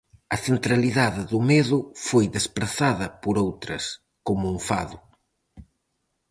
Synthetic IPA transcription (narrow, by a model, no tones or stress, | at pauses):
ɐθent̪ɾaliðaðɪðʊmeðʊfojðespɾaθaðɐpoɾowt̪ɾɐs | komʊuɱfa̰ðʊ